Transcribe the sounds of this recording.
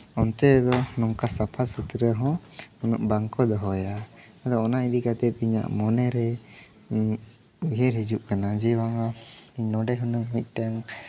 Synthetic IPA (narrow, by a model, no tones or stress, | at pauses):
ɔnt̪ɛd̪ɔnɔŋkasapʰasut̪ɾəɦɔ̃unṵʔbaŋkɔd̪ɔɦɔja | ad̪ɔɔnaid̪ikat̪ɛt̪̚ˀiɲa̰ʔmɔnɛɾɛ | uɦeɾid͡ʒuʔkanad͡ʒiwaŋaiɲnɔɖɛɦɔnumic̪̚ˀʈaŋ